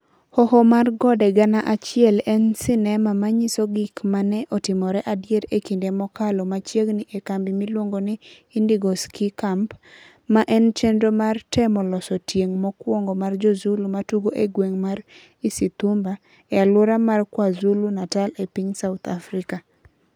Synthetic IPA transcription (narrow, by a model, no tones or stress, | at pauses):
hɔhɔmarɡɔdɛɡanaʔat͡ʃɪɛlɛnsɪnɛmamaɲɪsoɡikmanɛʔɔtɪmɔɾɛʔadjeɾekindemɔkalɔmat͡ʃjeɡnɪʔekambimilwoŋɡonɪ | indiɡoskikamp | maʔɛnt͡ʃendomartɛmɔlɔsɔtjeŋmɔkwɔŋɡomard͡ʒɔzulumatuɡoʔeɡweŋmaɾ | isit̪umba | ɛalʊɾamarkwazulunatalepiɲsaʊt̪ʰafɾika